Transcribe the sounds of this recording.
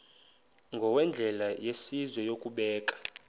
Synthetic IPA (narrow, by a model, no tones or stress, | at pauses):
ŋɡʱɔwɛnd͡ɮʱɛlajesizwɔjokʼuɓɛːkʼḁ